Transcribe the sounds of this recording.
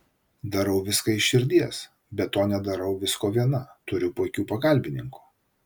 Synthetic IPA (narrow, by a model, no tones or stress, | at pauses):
d̪ɐɾɐʊʋʲɪskɐɪʃʃʲɪɾʲd̪ʲiɛs | bʲɛt̪ːoːnʲɛd̪ɐɾɐʊʋʲɪskoːʋʲiɛnɐt̪ʊɾʲʊpoːkʲuːpɐkɐlʲbʲɪnʲɪŋku̥ː